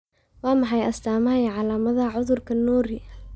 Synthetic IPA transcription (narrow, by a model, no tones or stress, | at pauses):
wɑːmɑħɑjɐst̪ʰaːmɐɦɐjʕɑlaːmɐðɐʕʊðʊrkʰɐnɔːɾɪ